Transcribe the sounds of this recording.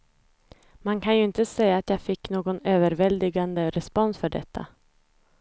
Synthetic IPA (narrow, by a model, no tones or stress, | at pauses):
mankʰanjɵɪnt̪əsɛjːaːt̪jaːfɪkːnoːɡɔnøːvəɾvɛld̪ɪɡand̪əɾɛspɔnsfœɖɛ̰t̪ʰːa̰